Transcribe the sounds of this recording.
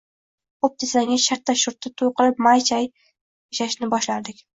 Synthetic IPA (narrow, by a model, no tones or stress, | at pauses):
op̚t̪ʰɪzlaŋɡʲaʃaɾt̪ʰːaʃʊɾt̪ʰːɪt̪ʰojqɨɾɪp̚majt͡ʃʰaj | ɪʃaʃnɪbɒʃlaɾd̪ɪkʲ